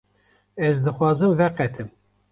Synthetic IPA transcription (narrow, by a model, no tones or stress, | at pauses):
ɛzd̪ɨxwɑːzɨmvɛqɛt̪ʰɨm